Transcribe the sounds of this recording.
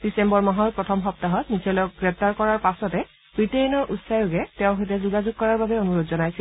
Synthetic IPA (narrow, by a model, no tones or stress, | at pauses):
d̥isembɔɹmaɦɔɹpɹɔtʰɔmxɔp̚taɦɔtnisɛlɔɔk̚ɡɹɛp̚taɹkɔɹaɹpasɔtɛ | b̥ɹitejɔnɔɹʔutsajuɡɛtɛʊ̃ɦojt̬ɛzuɡazʊɡ̚kːɔɹaɹbabɛonuɹodzɔnajsil